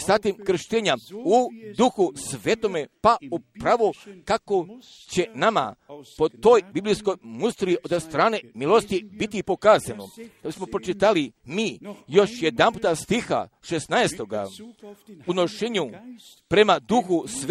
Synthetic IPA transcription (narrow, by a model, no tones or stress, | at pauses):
sat̪imkɾ̩ʃt̪eːɲaud̪uxusʋet̪omepaupɾaʋokako̞ | t͡ɕe̞nama̰po̞t̪o̞jbiblijsko̞jmust̪ɾiʔod̪st̪ɾaːne̞milo̞st̪ibit̪ipo̞kaːzanod̪̥abismo̞pɾot͡ʃit̪alimiːjo̞ʃjed̪anmput̪ast̪ixa̰ʃesnaest̪o̞ɡa̰ | uno̞ʃeːɲu | pɾe̞mad̪uxusʋ